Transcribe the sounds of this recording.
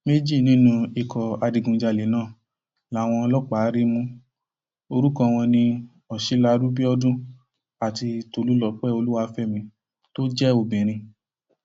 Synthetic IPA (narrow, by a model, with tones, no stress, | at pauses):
me˦d͡ʒi˦˨nĩ˦nũ˧i˨kʰɔ˨a˧di˨˧ɡũ˨d͡ʒa˧˨le˨nãː˦˨ | la˨˦˨w̃ɔ̃˧ɔ˧lɔ˦k͡pa˨˦ɾi˦mũ˦ | o˧ɾu˦kɔ̃˧w̃ɔ̃˧nĩ˧ | ɔ˨ʃi˨˦la˧du˦bi˦ɔ˦dũ˦ | a˨ti˧to˧lu˦lɔ˦˨k͡pɛ˦˨o˧lu˦wa˧˦fɛ˦˨mĩ˧ | to˦d͡ʒɛ˦o˧˨bĩ˨ɾ̃ĩ˧